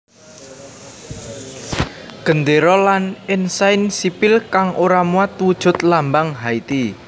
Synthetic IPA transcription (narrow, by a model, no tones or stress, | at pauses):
ɡ̥ə̤nd̪eɾɔlanɪnsajnsipɪlkaŋʔoɾamuat̪wud̥ʒ̥ʊ̤t̪lambaŋɦait̪i